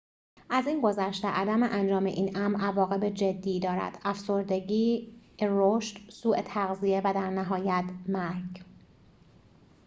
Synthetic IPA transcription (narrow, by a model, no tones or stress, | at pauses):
ʔæziːnɡo̞zæʃt̪eʔæd̪æmeʔænd͡ʒɒːmḛʔiːnʔæmɾʔævɒːɣe̞bed͡ʒed̪ːiːd̪ɒːɾæ̰d̪̥æfso̞ɾd̪e̞ɟiːroʃt̪suːʔet̪ʰæɣzije̞væd̪æɾnæɦɒːjæt̪ʰmæɾɟ